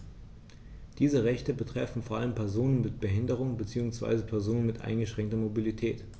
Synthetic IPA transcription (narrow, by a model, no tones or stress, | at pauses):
d̥iːzəʁɛçtəbətʁ̥ɛfn̩foːɐʔaləmpʰɛɐzoːnənmɪt̚b̥əɦɪndəʁ̞ʊŋbət͡siːʊŋsv̥a̰ɪzəpʰɛɐzoːnənmɪtʔa̰ɪnɡəʃʁ̥ɛŋk̚tɐmobilitʰɛːt